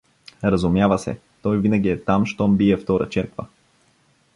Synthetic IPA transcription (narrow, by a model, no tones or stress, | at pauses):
ɾəzʊmjavəsɛ̰ | t̪ɔjvinəɡʲiɛt̪amʃt̪ɔmbiɛft̪ɔɾə̰t͡ʃɛɾkvə̰